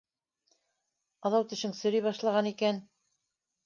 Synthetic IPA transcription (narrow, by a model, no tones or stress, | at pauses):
ɑðɑwt̪ɘ̆ʃɘŋsɵ̆ɾɘjβɑʃlˠɑʁɑnikæn